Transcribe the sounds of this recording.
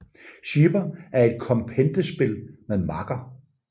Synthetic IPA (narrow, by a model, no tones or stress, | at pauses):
ɕiːb̥ɐæɐe̝d̥̚kʰɒ̽mpʰend̥əsb̥e̝lmeðˠmɑ̈ɡ̥ɐ